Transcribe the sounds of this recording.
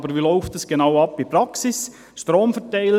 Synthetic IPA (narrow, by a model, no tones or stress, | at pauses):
bəɾʋilɔʊftəsɡ̥enaʊɑpːipɾɑksɪs | ʃtɾoːmfɛtaɪlə